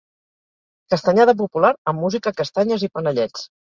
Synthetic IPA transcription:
kəst̪əɲaðəp̬upulaɾəmːuzikəkəst̪aɲəzipənəʎɛt͡s

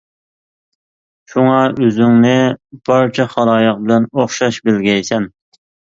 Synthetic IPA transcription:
ʃuŋɑʔøzyŋnɪb̥ɑɾt͡ʃʰɛχɑlˠɑːjəq̚bɪlɛnoχʃɑʃbɪlɡʲɛjsɛn

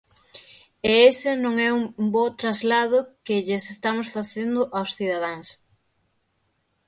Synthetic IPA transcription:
eesɪnõŋɛumbot̪ɾazlaðʊkɪʎɪsest̪amʊsfaθend̪ʊʔawsθiðaðaŋs

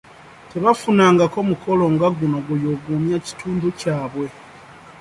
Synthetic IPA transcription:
te̞βafunaːŋɡako̞mukʰo̞lo̞ŋɡaɡuno̞ɡujo̞ɡuːmjaci̥tʰuːmbucaːβwe̞

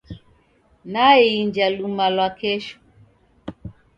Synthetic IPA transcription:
naiiɲd͡ʒalumalwakɛʃɔ̥

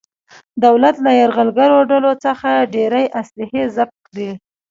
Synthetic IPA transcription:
d̪awlat̪lajaɾɣalɡaɾoɖalot͡səxaɖeɾajʔaslɪhezab̚kd̪i

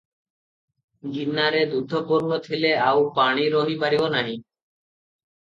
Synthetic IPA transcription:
ɡinːaɾed̪ud̪ʱːopuɾnot̪ʰileawpaɽ̃iɾoɦibaɾionaɦi

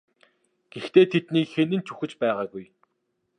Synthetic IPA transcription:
ɡ̥ext̪eːt̪ʰet̪niːkxenɘ̆nt͡ɕʰuxɘ̆t͡ɕpæːʁaːɡuj

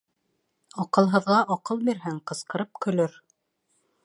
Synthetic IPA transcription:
ɑqɤ̆lˠɦɤ̆ðʁɑʔɑqɤlˠbiɾɦɘŋqɤ̆sqɤ̆ɾɤp̚kɵ̆lɵɾ

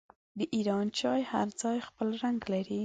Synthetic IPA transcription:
d̪əʔiɾɑnt͡ʃɑjha̰ɾd͡zɑjxpəlɾaŋɡlaɾi

